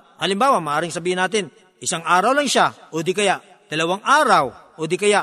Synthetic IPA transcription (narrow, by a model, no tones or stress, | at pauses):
halɪmbaːwamaʔaːɾɪŋsɐbiːhɪnaːt̪ɪn | ʔɪsaŋaːɾawlaŋʃaʔod̪ikɐjaʔ | d̪̥ɐlɐwaŋʔaːɾaw | oːd̪ikɐja